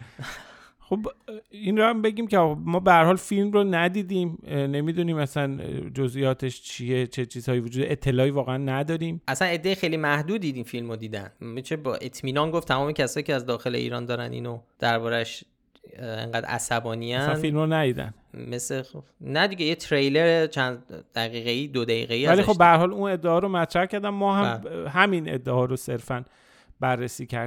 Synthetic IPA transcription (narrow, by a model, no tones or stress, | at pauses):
xobinɾoæmbe̞ɟʲiːmceɒmɒːbehæɾhɒːlfilmronæd̪iːd̪iːmne̞miːd̪uniːmæsænd͡ʒozijɒːt̪ʰe̞ʃt͡ʃʰije̞t͡ʃʰet͡ʃʰiːz̥hɒːjivod͡ʒuːd̪eʔet̪ʰːe̞lɒːivɒːɣeænːæd̪ɒːɾiːmʔæsæne̞d̪ːejixejlimæhd̪uːd̪iːd̪infilmod̪iːd̪æ̰nmit͡ʃʰebɒ̰ːʔet̪ʰmiːnɒnɡoft̪ʰæmɒːme̞cʰæsɒːjiːcʰeæzd̪ɒːxe̞lḛḭːɾɒːnd̪ɒːɾænḭːnod̪̥æɾbɒːɾæʃ | ḛŋɡæːd̪æ̰sæbɒːniæsæfilmonæd̪iːd̪æ̰n | meseonæd̪iɟejet̪ʰɾejleɾet͡ʃʰænd̪d̪̥æɣiːɣeiːd̪od̪æḭːɣeiːvælixobːeæɾhɒːluːne̞d̪ːeɒːɾomæt̪ʰɾæhcæɾd̪æmmːɒːɦæmɦæmine̞̰d̪ːeɒːɾose̞ɾfæn | bærːesiːcʰæɾ